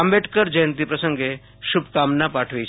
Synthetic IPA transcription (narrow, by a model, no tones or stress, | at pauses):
ambeʈʰkəɾd͡ʒəjnt̪̬ipɾəsəŋɡe | ʃubkamnapaʈʰʋe